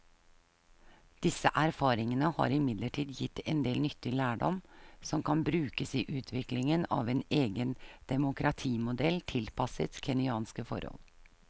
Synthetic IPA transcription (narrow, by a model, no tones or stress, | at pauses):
d̪̥ɪsəʔæɾfɑːɾɪŋənəhɑ̰ːɾɪmɪd̪ləʈʰiːd̪jɪt̪ːɛnd̪eːlnʏt̪ːɪlæːɖɔ̰msɔmkʰɑnbɾʉːkəsiːʔʉːt̪ʰʋɪklɪŋənɑ̰ːʋɛneːɡənd̪̥ɛmʊkʰɾɑt̪ʰiːmʊd̪ɛlt̪ʰɪlpʰɑsət̪kʰɛnɪɑːnskəfɔ̰ɾɔ̰l